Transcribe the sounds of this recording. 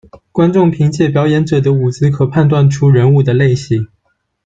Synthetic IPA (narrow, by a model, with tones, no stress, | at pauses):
kwa˥nʈ͡ʂʊ˥˩ŋpʰi˧˥ŋt͡ɕjɛ˥˩pjɑ˨˧˥ʊjɛ˧˥nʈ͡ʂɤ˨˩d̪ə˦u˨˩t͡sɹ̩˥kʰɤ˨˩pʰa˥˧nt̪wa˥˩nʈ͡ʂʰu˥ɻə˧˥nu˥˩d̪ə˩le˥˩ɪɕi˨˩˦